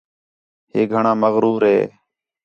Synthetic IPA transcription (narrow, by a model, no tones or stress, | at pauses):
heːɡʱəɳãːməɣɾuːɾɦḛː